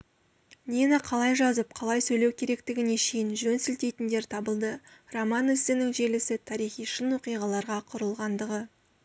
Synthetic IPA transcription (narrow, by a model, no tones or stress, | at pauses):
nʲinɑqʰɑlˠɑjʒɑzəp̚qʰɑlˠɑjsɵjlewkʲʰe̞ɾe̞kt̪ɪɡʲɪneʃejɪnʒɵnsʏlt̪e̞jt̪ɪnd̪e̞ɾt̪ʰɑbəlˠd̪əromɑnʏst̪ɪnɪŋʒe̞lɪsɪt̪ʰɑɾijχijʃənwo̞qijʁɑlˠɑɾʁɑqʰʊɾəlˠʁɑnd̪əʁə